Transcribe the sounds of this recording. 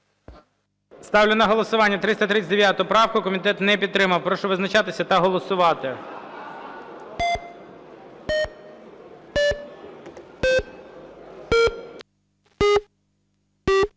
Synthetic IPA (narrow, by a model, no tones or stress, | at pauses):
st̪ɑwlʲɪnɐɦɔlˠɔsʊʋɑnʲːɐt̪ɾɪst̪ɐt̪ɾɪt͡sʲd̪eʋjat̪ʊʊpɾɑwkʊkɔmʲit̪ɛt̪nɛpʲid̪̚t̪ːɾɪmɐwpɾɔʃɔʋɪznɐt͡ʃɑt̪ɪsʲɐt̪ɐɦɔlˠɔsʊʋɑt̪ɪ